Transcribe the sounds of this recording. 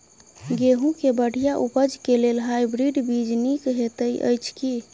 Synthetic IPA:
ɡeɦũkebəɽ̤ijaʔupəd͡ʒkelelɦajbɾiɖbid͡ʒnikɦet̪əjʔə̰jt͡ʃʰki

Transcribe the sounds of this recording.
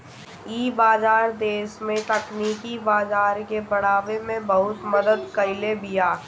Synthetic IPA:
iːbaːzaːɾd̪eːʃmẽt̪ɐkniːkibaːzaːɾkebɐɽ̤̃aːʋemẽbɐɦʊt̪mɐd̪əd̪kɐɪlebijaː

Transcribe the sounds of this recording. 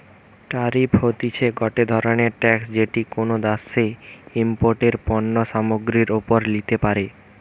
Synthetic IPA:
ʈaɾiphot̪it͡ɕʰeɡɔʈed̪ʱɔɾoneɾʈɛksd͡ʑeʈikonod̪aseimpoɾʈeɾpɔnːoʃamoɡɾiɾopoɾlit̪epaɾe

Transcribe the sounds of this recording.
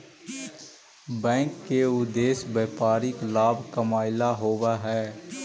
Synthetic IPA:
bɛ̃ːŋkːeʊd̪eːsbeːpaːɾiklaːbkəmaːɪlaɦoːwaɦɛː

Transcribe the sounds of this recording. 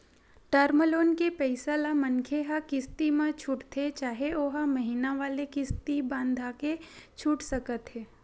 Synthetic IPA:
ʈəɾməloːnkepɛɪsaːlamɐnkʰeɦakɪst̪imãt͡ʃʰuːʈt̪ʰet͡ʃaːɦeoːɦəmɐɦinaʋaːlekɪst̪ibãːnd̪ʱaːket͡ʃʰuːʈsɐkət̪ɦɛː

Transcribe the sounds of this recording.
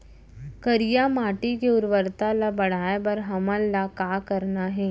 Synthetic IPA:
kɐɾijamaːʈikeʊɾʋəɾt̪alabɐɽ̤aːebɐɾɦɐməlːakaːkɐɾnaɦɛː

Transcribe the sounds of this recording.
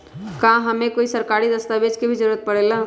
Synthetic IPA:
kãɦəmẽkoːisəɾkaːɾid̪əst̪aʋed͡ʒkebʱid͡ʒəɾuɾət̪̚pəɽela

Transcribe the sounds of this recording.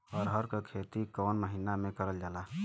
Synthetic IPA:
ɔːɾɦəɾkekʰet̪ikɔːnməɦinamẽkəɾəld͡ʒaːla

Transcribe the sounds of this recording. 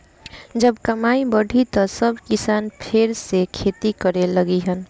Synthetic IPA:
d͡ʒəbkəmaibəɖʱit̪ɔsəbkɪsanpʰeɾsekʰet̪ikəɾeləɡiɦən

